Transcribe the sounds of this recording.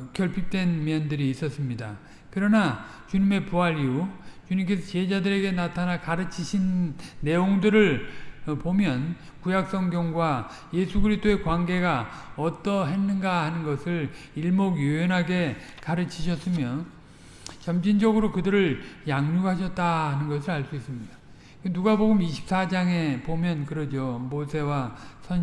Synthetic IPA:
kjʌɭpʰip̚t͈wenmjʌndɯɾiːs͈ʌs͈ɯmɲida | kɯɾʌnat͡ɕuɲime̞puaɾiut͡ɕuɲimk̬e̞sʰʌt͡ɕiɦed͡ʑadɯɾe̞ɡe̞natʰanakaɾɯt͡ɕʰiɕʰinːe̞joŋdɯɾɯɭpomjʌn | kujak̚s͈ʌŋɡjʌŋɡwa | je̞sʰuɡɯɾisʰt͈oe̞kwaŋɡeɡaʌt͈ʌɦe̞nːɯnɡahanɯnɡʌsʰɯɭ | iɭmoɡjuenɦaɡe̞kaɾɯt͡ɕʰiɕʰʌs͈ɯmjʌ | t͡ɕʌmd͡ʑind͡ʑʌɡɯɾokɯdɯɾɯɭjaŋɲuɡhaɕ̬ʰʌt̚t͈aɦanɯnɡʌs̬ʰɯɾaɭs͈uis͈ɯmɲida | kɯnuɡaboɡɯmiɕʰi̥p̚s͈ad͡ʑaŋe̞pomjʌnkɯɾʌd͡ʑomosʰe̞wasʰʌ

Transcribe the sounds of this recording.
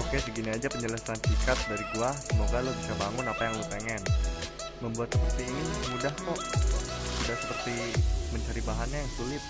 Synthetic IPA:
okebəɡiniad͡ʒapəɲələsant͡ʃikat̪̚daɾiɡuasəmoɡalobisabaŋʊnapajaŋlopeŋɛn | məmbuat̪səpəst̪iinimudaht̪ɔ | t̪idaʔsəpərt̪iməɲt͡ʃaɾibaɦanɲajaŋsulɪt̪̚

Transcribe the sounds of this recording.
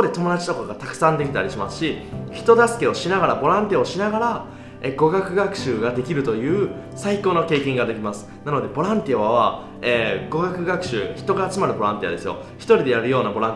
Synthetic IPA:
ood̪e̞t̪o̞mo̞d̪at͡ɕi̥t̪o̞kooɡat̪akɯ̟̥sãnd̪e̞kʲi̥t̪aɾʲiɕimasɨ̥ɕiçi̥t̪o̞d̪asɨ̥ke̞o̞ɕinaɡaɾabo̞ɾãnt̪ʲiaoɕinaɡaɾa | eɡo̞ɡakɯ̟ɡakɯ̟̥ɕɨːɡad̪e̞kʲiɾɯ̟t̪o̞jɯ̟ː | saiko̞ːno̞ke̞ːkẽ̞ŋɡad̪e̞kʲimasɨ̥nano̞d̪e̞bo̞ɾãnt̪ʲiaβaβ̞a | eːɡo̞ɡakɯ̟ɡakɯ̟̥ɕɨːçi̥t̪o̞ɡaːt͡sɨmaɾɯ̟bo̞ɾãnt̪ia̰d̪e̞sɨjo̞̰ | çʲi̥t̪o̞ɾʲid̪e̞jaɾɯ̟jo̞ːnabo̞ɾãn

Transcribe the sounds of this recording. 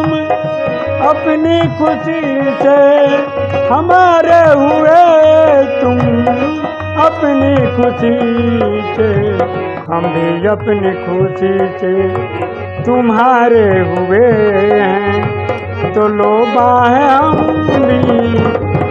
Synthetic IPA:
m | ɐpnikʰʊsi | se | hɐmaːɾeɦʊe | t̪ʊm | ɐpnikʰʊsi | se | hə̃mbʱiɐpnikʰʊsise | t̪ʊmɦaːɾeɦʊeɦɛ̃ | t̪oloːbaːɦɛ̃ɦəmbʱi

